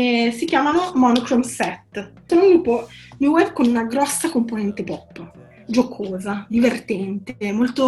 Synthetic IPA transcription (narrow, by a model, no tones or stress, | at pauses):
esikjaːmanomɔnukɾomsɛt̪ː | sonod̪upomiowɛbːkonunaɡɾɔsːakomponɛnt̪epɔpː | d͡ʒokʰoːzad̪ivert̪ɛnt̪emːolt̪o